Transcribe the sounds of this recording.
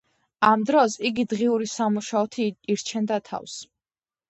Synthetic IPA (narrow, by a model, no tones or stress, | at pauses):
amd̪ɾɔsiɡid̪ʁiuɾisamuʃaɔt̪ʰiːɾt͡ʃʰɛnd̪at̪ʰa̰fs